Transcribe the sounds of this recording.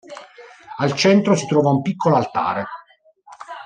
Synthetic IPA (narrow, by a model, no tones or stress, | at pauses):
alt͡ʃɛnt̪ɾosit̪ɾɔːvaumpikːoloalt̪a̰ːɾe